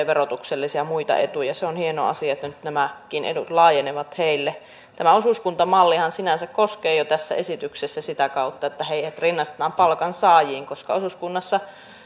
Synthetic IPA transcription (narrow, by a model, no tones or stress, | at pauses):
ʋerot̪ukselːisiɑmuit̪ɑ̰ʔet̪ujɑseonhieno̰ɑ̰siɑet̪ːænyt̪næmækinʔḛdut̪lɑːjeneʋɑt̪heilːe | t̪æmæosuskunt̪ɑmɑlːihɑnsinænsækkoskeːjot̪æsːæ̰esit̪yksesːæsit̪ækɑut̪ːɑet̪ːæheihæt̪rinːɑst̪et̪ɑːmpɑlkɑnsɑːjiːŋkoskɑosuskunːɑsːɑ